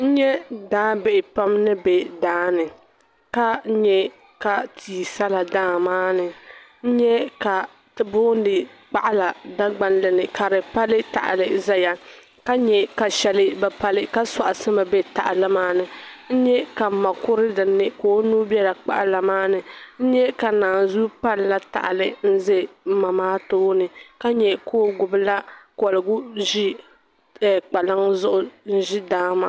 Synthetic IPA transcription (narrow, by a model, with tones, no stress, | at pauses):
n̩˦ɲɛ˦daː˦bɛ˨ɪ˨pa˦mnɨ˦bɛ˨daː˦nɨ˨ | ka˦ɲɛ˦ | ka˨tʰiː˨sa˦la˨daː˦˨maː˦nɨ˨ | n̩˦ɲɛ˦ka˨ | tɨ˨bʊː˦n˦dɨ˨ | k͡pa˦ʔla˨da˦ɡ͡ba˦nlɨ˨nɨ˨ka˨ɾɨ˨pa˦lɨ˦ta̰˨ʔa̰˨lɨ˨za˦ja˦ | ka˦ɲɛ˨ka˨ʃɛ˨lɨ˦bɛ˨pa˦lɨ˦ka˦sa˨ʔa˨sɨ˦ma˨bɛ˦ta̰˨ʔɪ˨lɨ˦maː˦nɨ˨n̩˦ɲɛ˦ka˨ma˨kʊ˦ɾɨ˦dɨ˨nːɨ˦koː˦nuː˦bjɛ˦la˨k͡pa̰˦ʔa˦la˨maː˦nɨ˨n̩˦ɲɛ˦ka˨naː˨zu˦pa˦lla˦ta̰˨ʔɪ˨lɨ˨n̩˦zɨ˦˨˦ma˨maː˦toː˦nɨ˨ka˦ɲɛ˨koː˦ɡʊ˨bɨ˦la˦kɔ˨lɨ˨ɡʊ˦ʒi˦˨ | k͡pa˨la˦ŋzʊ˦ʔʊ˦n̩˦ʒi˦daː˦ma˨